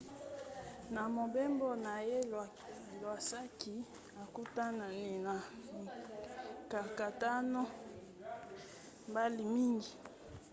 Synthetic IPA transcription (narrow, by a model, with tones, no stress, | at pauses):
na˨mo˨be˦mbo˦na˨je˦˨ | lwa˨sa˦ki˨ | a˨ku˦ta˦na˨ne˨na˨ | ka˨ka˨ta˦no˦ | mba˦li˨mi˦ŋɡi˨